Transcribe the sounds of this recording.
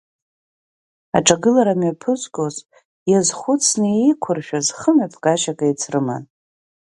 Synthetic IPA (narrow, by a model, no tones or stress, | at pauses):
a̰ʈ͡ʂʼaɡɨlaɾamɥapʰɨzʷɡʲʼoz | jazχʷʊt͡sʰnɨejkʷʰʊrʃᶣazχəmapʰʼkʼaʃakʼajt͡sʰrɨma̰n